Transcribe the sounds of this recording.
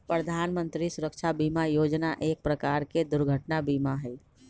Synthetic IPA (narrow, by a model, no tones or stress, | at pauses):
pɾəd̪ʱaːnmə̃nt̪ɾisʊɾəkʃʰabimajoːd͡ʒnaʔeːk̚pɾəkaːɾked̪ʊɾɡʱəʈnabiːmaɦɛ